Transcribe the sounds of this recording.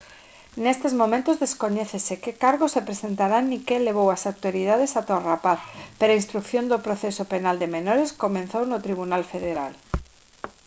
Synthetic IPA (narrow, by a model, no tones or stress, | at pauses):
nest̪ezmomẽnt̪ozðeskoɲɛθesekekaɾɣosepɾesent̪aɾanːikeleβ̞owasawt̪oɾið̞að̞esat̪orapaθpeɾainst̪ɾukθjond̪opɾoθesopenald̪emenoɾeskomẽnθownot̪ɾiβ̞unalfeðeɾa̰l